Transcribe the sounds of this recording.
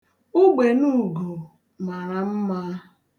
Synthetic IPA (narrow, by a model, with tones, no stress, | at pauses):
ʊ˦ɡ͡be˨nu˦ɡo˨ | ma˨ɾa˨m̩˦ma˦